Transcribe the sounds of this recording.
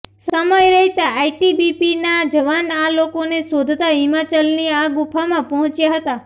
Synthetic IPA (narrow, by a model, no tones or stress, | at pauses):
səməjɾəɦit̪aaiʈibipinad͡ʒəʋanalokonesod̪ʱt̪aɦimat͡ʃəlniaɡupʰamãpəɦɔ̃t͡ʃjaɦət̪a